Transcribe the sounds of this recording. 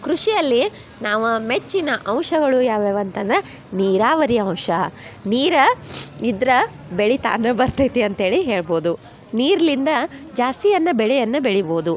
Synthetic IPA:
kɾuʂijɐlːi | naːʋumet͡ʃːinɐʔɐwʂɐɡɐɭujaːʋeːʋɐnt̪ɐnd̪ɾe | niːɾaːʋɐɾiɐ̃w̃ʂɐniːɾɐid̪ɾɐ | beɽit̪a̰ːnːɐbɐɾt̪ɐjt̪iɐnt̪ɐɦe̞ːɭiɦe̞ːɭbo̞ːd̪u | niːɾɐlind̪ɐd͡ʒaːst̪ijɐnːɐbɛɭɛjɐnːɐbeɭibo̞ːd̪u

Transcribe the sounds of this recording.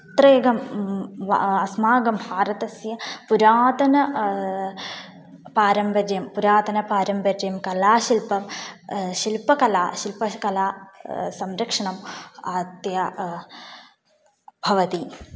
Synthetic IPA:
t̪ɾeːɡɐm | ɐsmaːɡɐmbʱaːɾɐt̪ɐsjɐpuɾaːt̪ɐnɐ | paːɾɐmbɐd͡ʒɐjɐmpuɾaːt̪ɐnɐpaːɾɐmbʱɐd͡ʒɐjɐmkɐlaːʃilpɐm | ʃilpɐkɐlaːʃilpɐkɐlaːsɐmɾɐkʂɐɳɐmaːt̪ja | bʱɐʋɐt̪i

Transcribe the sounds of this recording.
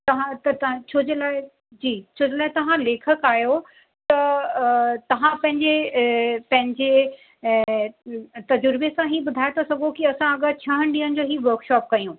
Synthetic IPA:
t̪ɐʋãt̪ɐt̪ɐ̃t͡ɕʰoːd͡ʑelaː | d͡ʑiːt͡ɕʰoːd͡ʑelaːɪt̪ɐʋ̤ãleːkʰəkaːjo | t̪ɐ | t̪ɐʋ̤ãpɐ̃ɦɪ̃ɲd͡ʑe | pɐ̃ɦɪ̃ɲd͡ʑe | t̪ɐd͡ʑʊɾbesãɦibʊd̪ʱaːjet̪ʰasɐɡʱokiɐsãɐɠət͡ɕʰɐɦə̃ɽ̃ɖĩːənɪ̆d͡ʑoːɦiʋɐɾkʃɔːp̚kɐijũː

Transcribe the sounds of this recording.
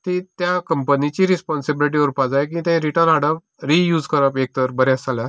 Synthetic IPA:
t̪it̪jãkəmpənit͡ɕiɾispɔnsibiliʈ̬iʋəɾpad͡zajk̬ĩt̪ãɾiʈəɾnaɽəp̚ | ɾijuːd͡zkəɾəpek̚t̪əɾbəɾjasalja

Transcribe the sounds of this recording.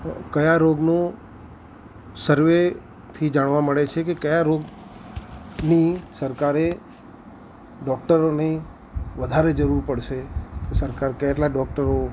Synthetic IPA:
kəjaɾoɡno | səɾʋe | t̪ʰid͡ʒaɽʋaməɭet͡ʃʰekekəjaɾoɡ | nisəɾkaɾe | ɖɔk̚ʈəɾone | ʋəd̪ʱaɾed͡ʒəɾuɾpəɽʃekesəɾkaɾkəeʈlaɖɔk̚ʈəɾo

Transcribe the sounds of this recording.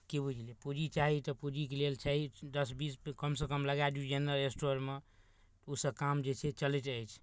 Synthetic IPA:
kibud͡ʒʱlipud͡ʒit͡ʃaɦit̪əpud͡ʒikelelt͡ʃʰaɦid̪əsbiskəmsekəmləɡad̪jud͡ʒenɾəɾesʈoɾme | t̪usəbkamd͡ʒet͡ʃʰet͡ʃəleʈəjt͡ʃʰ

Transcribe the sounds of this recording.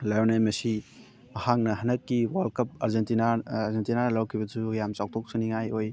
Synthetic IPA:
lajwnemɐsi | mɐhak̚nɐɦɐnɐkːiwalkʰɐp̚aɾzentinaːɾzentinanlawkʰibɐd͡ʒujamt͡ʃaw̚tʰok̚suniŋajoj

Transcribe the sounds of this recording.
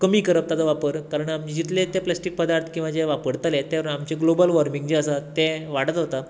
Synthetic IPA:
kəmiːkəɾəp̚t̪ad͡zaʋapəɾkaɾəɳamd͡ʑit̪let̪eplasʈik̚pəd̪aɾt̪ʰkĩw̃ʋad͡ʑeʋapəɽt̪əlet̪eʋamt͡ɕeɡlobəlʋəɾmiŋɡd͡ʑeəsat̪eʋaɽət̪ɦot̪a

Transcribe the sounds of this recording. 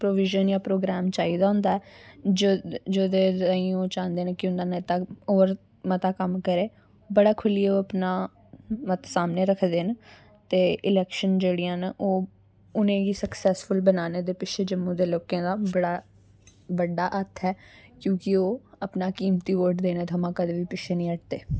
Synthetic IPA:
pɾoːʋɪʒənjãːpɾoːɡɾɛːmt͡ʃaːiːd̪ãːnd̪aːɛːd͡ʒd͡ʒoːd̪eːaːĩːoːt͡ʃãːnd̪eːnẽːkɪʊnaːnẽːt̪aːoːɾ | mət̪aːkəmkəɾeː | bəɽaːkʰʊlieoːəpnaː | mət̪saːmneːɾəkʰd̪eːn | t̪eːʔɪlɛːkʃənd͡ʒeːɽijãːnʔoː | ʊnẽːɡiːsəksɛːsfʊlbənaːneːd̪eːpɪʃeːd͡ʒəmːũːd̪eːloːkẽːd̪aːbəɽaː | bəɖːaːʔət̪ʰɛːkjõːkɪoːəpnaːkiːmt̪iːʋoːʈd̪eːneːt̪əmãːkəd̪ʋiːpɪʃʰeːnĩːəʈ̚d̪eː

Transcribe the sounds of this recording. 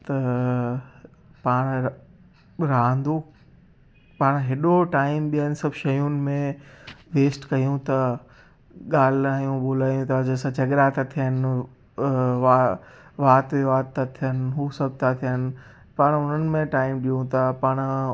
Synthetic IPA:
t̪ɐ | paːɽ̃ | ɾaːnd̪u | paːɽ̃ɦeɗoʈaːɪmɓijənɪ̆sɐbʱʃɐjʊnɪ̆mẽʋeːsʈkɐjũt̪ɐ | ɠaːl̤aːjũɓʊlaːjũt̪ʰad͡ʑɐːsãt͡ɕɐɡɾat̪ʰat̪ʰijənɪ | ʋa | ʋaːt̪ʋiʋaːt̪ːat̪ʰijənɪ̆ɦuːsɐb̚ʱt̪ʰat̪ʰijənɪ̆ | paːɽ̃ʊn̤ənɪ̆mẽʈaːɪmɗijũt̪ɐpaːɽ̃

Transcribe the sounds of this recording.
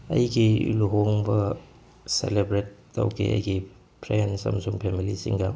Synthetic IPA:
ɐ̰jɡḭluɦoŋbɐ | selebɾetːɐ̰wkʰḭʔɐ̰jɡi | pʰɾejansɐ̰msuŋpʰemilisḭŋɡɐ

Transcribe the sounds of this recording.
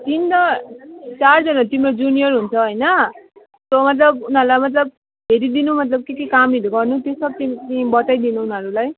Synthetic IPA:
t̪int̪ʌ | t͡sard͡zʌnat̪imɾʌd͡zunijʌrɦunt͡sʰʌɦojnʌ | somʌt̪lʌbunɦʌɾulajmʌt̪lʌb̚ | ɦeɾid̪inumʌt̪lʌb̚kekikamiɾuɡʌrnut̪jesʌb̚t̪it̪ibʌt̪ajd̪inuːnɦʌɾulaj

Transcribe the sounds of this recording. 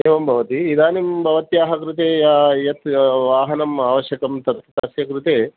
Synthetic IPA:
eːʋɐmbʱɐʋɐt̪iid̪aːnimbʱɐʋɐt̪jaːɦɐkɾut̪eːjaːjɐt̪ʋaːɦɐnɐmaːʋɐʃjɐkɐmt̪ɐt̪t̪ɐsjɐkɾut̪eː

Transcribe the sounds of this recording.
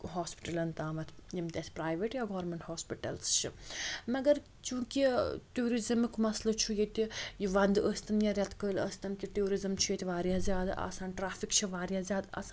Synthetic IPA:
ɦaːspi̥ʈɐlɐnt̪aːmɐt̪ʰjimt̪ʲɐsʲpɾaːjʋeʈjaːɡoːɾmeɳʈhoːspiʈɐlst͡ʃʰimɐɡɐɾ | t͡ʃũːkiʈuːɾizɐmikmɐslɐt͡ʃʰujet̪ʲijiʋɐnd̪ɨəst̪ɐnjɐɾʲɐt̪kəːlə̰st̪ɐnkiʈuːɾizɐmt͡ʃʰujet̪ʲʋaːɾjaːzʲaːd̪ɐ̰saːnʈɾaːfikt͡ʃʰiʋaːɾjaːzʲaːd̪ɐ̰san

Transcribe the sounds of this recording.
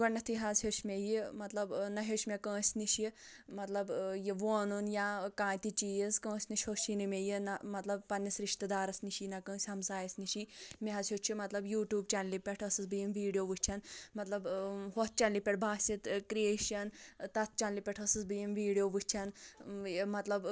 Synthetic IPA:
ɡɐɳnɐt̪ʰiɦɐzhʲoʃmʲejimɐt̪lɐbnɐɦoʃʲmekə̃ːsʲniʃi | mɐt̪lɐbjiʋoːnunjaːkãːt̪it͡ʃiːzkə̃ːsʲniʃʲhoʃinɨmʲejinɐmɐt̪lɐb̚pɐnːisɾiʃt̪əd̪aːɾɐsniʃinɐkə̃ːsʲhɐmsaːjɐsniʃimʲeɦɐsʰʲjot͡ʃʰimɐt̪lɐbjuːʈjuːbt͡ʃanlipʲeʈʰɐsɨsbɨjimʋiːɖijoːʋɨt͡ʃʲʰɐnmɐt̪lɐbɦot̪̚t͡ʃɐnlipʲeʈbʱaːsʲit̪kɾieːʃɐnt̪ɐt̪̚ʰt͡ʃɐnlipʲɛʈʰəsɨsbɨjimʋiːɽijoːʋut͡ʃʲʰɐn | mɐt̪lɐb

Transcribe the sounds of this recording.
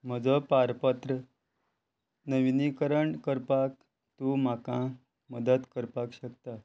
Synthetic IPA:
m̤əd͡zəpaɾpət̪ɾə | nəʋinikəɾəɳkəɾpak̚ | t̪um̤akã | məd̪ət̪kəɾpakɕək̚t̪a

